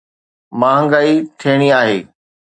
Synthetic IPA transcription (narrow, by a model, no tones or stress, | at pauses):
mãːɦə̃ŋɡaːit̪ʰeːɽ̃iaːɦeː